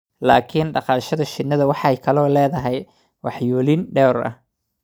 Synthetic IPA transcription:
la̰ːkʰɪnɖɑqɑːʃɐðɐʃɪd̪nːɐðɐwɑħɑjkʰɐlɔːlɛːðɐɦɛj | wɑħjuːlɪnɖɛːɾɐ̰h

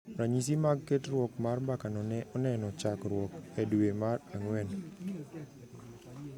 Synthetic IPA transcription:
ɾaɲis̬imaɡketrwɔkmarbakanɔnɛɔnɛnɔt͡ʃakɾwɔkɛduwemaraŋwɛn

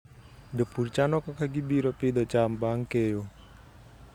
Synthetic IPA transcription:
dəpurt͡ʃanɔkɔkaɡibiɾɔpidat͡ʃambaŋkejo

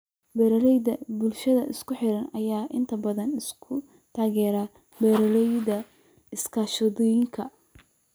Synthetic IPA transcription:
bɛɾɐlɛjd̪ɐbʊlʃɐðɐʔɪskʊħɪɾɐnɐjaːʔɪnt̪ʰɐbɐðɐnɪskʰʊ | t̪ʰaːɣɛːɾaː | bɛɾɐlɛjdɐ | ɪskʰaːʃɔðɪjɪŋkʰɐ

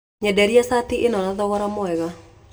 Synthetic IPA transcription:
ɲɛdɛɾiasatiʔenɔnaðɔɣɔɾamɔɛɣa

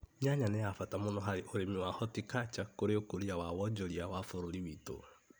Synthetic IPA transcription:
ɲaɲanɛjafatamonɔɦaɾeʔoɾemiwahɔtikat͡ʃakoɾeokoɾiawawɔd͡ʒɔɾiawafoɾoɾiwiːto̰

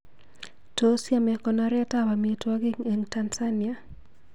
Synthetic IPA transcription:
tosjamɛkɔnaɾɛtawamietwaɡɪŋeŋtansania

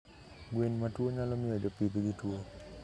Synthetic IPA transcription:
ɡwenmatwoɲalomiod͡ʒopid̪ɡitwo

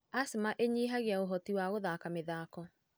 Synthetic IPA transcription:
asemaʔeɲiːɦaɣeaoɦɔtiwaɣoðaːkameðaːkɔ

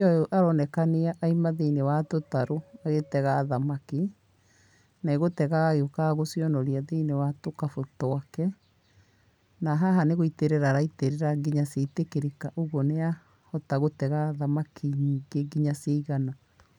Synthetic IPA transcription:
ɔoʔaɾɔnɛkaneaʔaimaðeinewatotaɾoaɣetɛɣaðamaki | naeɣotɛɣaɣaɣeokaɣosiɔnɔɾiaðeinewatokafotɔakɛ | naɦaɦaneɣoiteɾɛɾaɾaiteɾeɾaɡiɲasetekeɾekaʔoɣɔnea | hɔtaɣotɛɣaðamakʰiɲiːɡeɡiɲaseiɣana

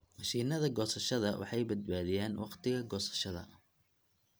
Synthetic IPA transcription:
ʃiːnɐðɐɡɔːsɐʃɐðɐ̰wɑ̰ħɑjbɐd̪̚baːðɪjaːnwɑ̰qt̪ʰɪɣɐɡɔːsɐ̥ʃɐðɐ̰

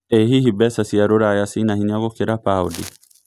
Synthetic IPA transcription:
eɦiɦibɛsasiaɾoɾaːjasinahinaɡokeɾapaːodḭ

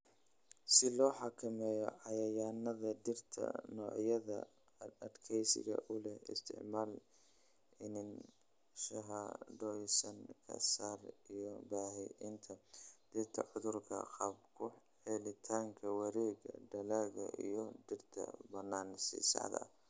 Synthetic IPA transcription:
sɪlɔːħɑkʰɐmɛːjɔʕɑjɐjaːnɐðɐd̪ɪrt̪ʰɐ̰nɔːʕjɐðɐ̰ | ɐd̪kʰɛjsɪ̰ɣɐ̰ʔʊlɛhɪ̰st̪ʰɪ̰ʕmaːl | ɪnɪn | ʃɐɦɐɖɔjsɐnkʰɐ̰saːrijɞbaːɦɪʔɪnt̪ʰɐd̪̥ɪrt̪ʰɐ̰ʕʊðʊrkʰɐ̰qɑːb̚kʰʊ | ɛlɪt̪ʰaːŋkʰɐwɐɾɛːɣɐ̰ɖɐlaːɣɐ̰ʔḭjɞdɪrt̪ʰɐ̰bɐnːaːnsḭsɑ̰ʕd̪ɐ̰

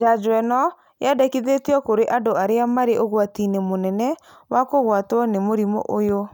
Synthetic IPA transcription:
ad͡ʒwɛnɔ | jadakiðetiɔkoɾeʔandoaɾeamaɾeʔoɣwatinemonɛnɛ | wakoɣwatwɔnemoɾimo̰ʔojo

